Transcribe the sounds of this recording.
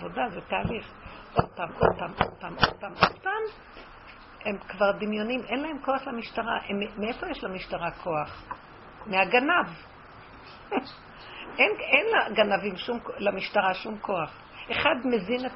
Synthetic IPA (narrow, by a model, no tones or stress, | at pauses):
vodazet̪aːliχ | ʔod̚paːmʔod̪̚paːmʔo̰d̪̚paːmʔod̪̥̚paːmʔod̪̥̚paːm | he̞mkvaʁd̪imjo̞nimʔenlae̞mko̞aχlamiʃtaʁa̰ʔemmeefo̞jeʃlamiʃtaʁakʰo̞aχ | meaɡanav | ʔenenlaɡanavimʃumklamiʃtaʁaʃumkʰo̞aχ | e̞χad̪mezinet